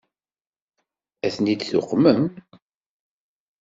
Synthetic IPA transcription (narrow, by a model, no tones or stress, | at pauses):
æθnid̪θʊ̰qːməm